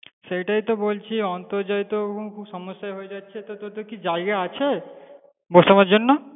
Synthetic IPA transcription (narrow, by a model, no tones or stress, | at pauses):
sejʈait̪ɔbolt͡ʃʰiɔnt̪ɔɾd͡ʒajt̪oɦũkʰũbsɔmɔsjaɦojd͡ʒat͡ʃʰet̪ɔt̪ot̪okid͡ʒajɡaːt͡ʃʰe | bosɔmad͡ʒonːɔ